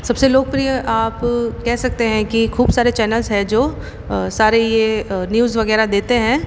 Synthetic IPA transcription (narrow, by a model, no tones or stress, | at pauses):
sɐbseloːɡ̚pɾijəʔaːpkɛɦsɐk̚t̪eɦɛ̃kikʰuːbsaːɾet͡ʃɛːnəlzɦɛ̃d͡ʒoː | saːɾejenjuːzʋɐɣɛːɾad̪eːt̪eɦɛ̃ː